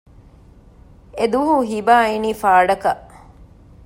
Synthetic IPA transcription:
ed̪uɦuɦibaːiniːfaːɖɐkɐʔ

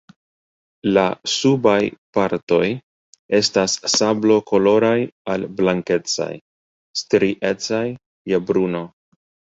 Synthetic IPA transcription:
lasubajpaɾto̞j | e̞stasːablo̞ko̞lo̞ɾajalblaŋke̞t͡sa̰j | stɾiʔe̞t͡sajː | ebɾuno̞

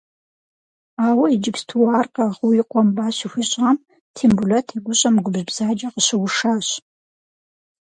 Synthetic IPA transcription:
aːwɐid͡ʒɪbstʰuwaːrqɐʁʊiqʷʼɔmbaːɕixʷiɕʼʁam | tʰeːmbulɐtʰiːɡʷʊɕʼɐmɡʷʊbʑbz̥aːd͡ʒɐqəɕɨwʊʂaːɕ

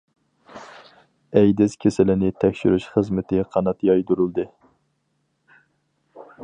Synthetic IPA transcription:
ɛjd̪ɪskʲʰesɪlɪnɪt̪ʰɛkʲʃy̰ɾyʃχəzmɪt̪ʰɪqʰɑnɑt̪jɑjd̪uɾulˠd̪ɨ

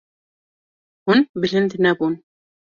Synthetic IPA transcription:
hʊnbɪlɪnd̪nabuːn

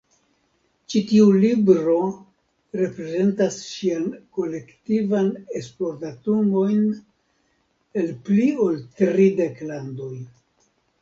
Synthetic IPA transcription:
t͡ʃitiulibɾo̞ | ɾe̞pɾe̞ze̞ntasʃianko̞le̞ktivane̞splo̞ɾtatumo̞jn | e̞lplio̞ltɾide̞klando̞j

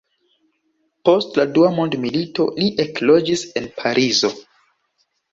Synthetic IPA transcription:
po̞stladuamo̞ndmilito̞̰liʔeklo̞d͡ʒise̞npʰaɾʔizo̞

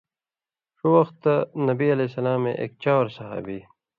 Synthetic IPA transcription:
ʂuwɐxt̪ːanɐbiɐlesɐlaːmḛ̃ʔḛːk̚t͡ɕaːwɾsɐɦa̰ːbiː

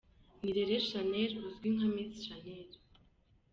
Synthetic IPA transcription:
niɾeɾerʃaneruzɡʲiŋχamiːt͡sʃaneɾ

